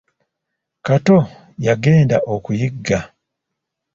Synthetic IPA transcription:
kato | jaɡe̞ːndaʔokujiɡːa

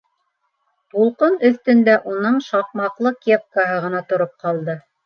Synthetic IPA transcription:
t̪ulˠqɤnɵ̆θt̪ɵ̆nd̪æʔunɤɴʃɑq̚mɑqlˠɤkʲep̚kaɦɤʁɤ̆nɑt̪ŏɾop̚qɑlˠd̪ɤ

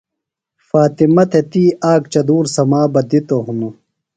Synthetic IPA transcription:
faːt̪imɐt̪ʰet̪iːʔaːkt͡ɕɐd̪uːɾsɐmaːbɐd̪it̪oɦunu

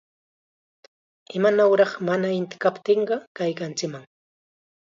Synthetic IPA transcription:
ɪmanawɾɑχmanaɪnt̪ɪ̥kapt̪eɴɢɑkajkant͡ʃɪkmaŋ

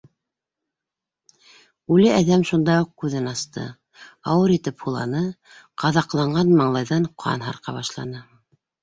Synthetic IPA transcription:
ʉlɘæðæmʃund̪ɑjuq̚kʉðɘnɑst̪ɤ̰ | ɑwɤɾit̪ɘphulˠɑ̰nɤ | qʰɑðɑqlˠɑɴɢɑnmɑɴlˠɑjðɑɴqʰɑ̰nɦɑ̰ɾqɑ̰βɑʃlˠɑ̰nɤ

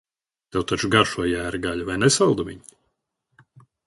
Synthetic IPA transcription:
t̪ɛwt̪at͡ʃuɡaɾʃuɔjæːɾɡaʎavajnɛsalˠd̪avʲḭɲ

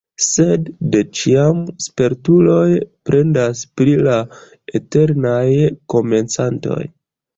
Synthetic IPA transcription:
se̞dːe̞t͡ʃiamspe̞ɾtulo̞jpɾʔe̞ndaspɾila | e̞te̞ɾnajko̞me̞nt͡santo̞̰j

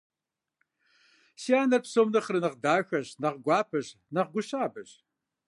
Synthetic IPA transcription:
siaːnɐpsoːmnɨχrɨnɨʁdaːxʷɐʑnɐʁɡʷɑːpʰɨʑ | nɐʁɡʷʊɕaːbɨɕ

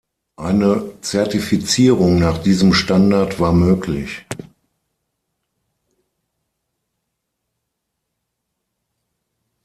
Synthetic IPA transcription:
ʔaɪnət͡sɛɐtifit͡siːʁ̞ʊŋnaːχd̥iːzəmʃtandaɐtv̥aːɐmøːklɪ̰ç

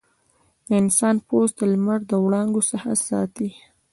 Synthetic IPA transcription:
d̪əɪnsɑnposd̪əlmaɾd̪əwɽɑŋɡosaha̰sɑ̰t̪i

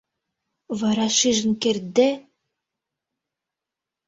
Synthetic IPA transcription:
vɑɾɑʃiʒə̆nkerd̪e

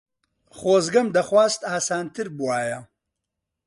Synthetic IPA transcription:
χoːzɡɐmd̪ɐχwaːzt̪aːsaːnt̪ʰɨɾbuwaːjɐ

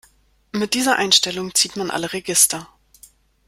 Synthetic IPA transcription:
mɪt̚d̥iːzɐʔaɪnʃtɛlʊŋt͡siːtmanʔa̰ləʁeɡɪstʰɐ

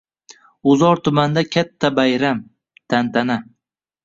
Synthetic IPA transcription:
ʊzɒɾt̪ʰʊmand̪akʲʰat̪ʰːabajɾam | t̪ʰant̪ʰana

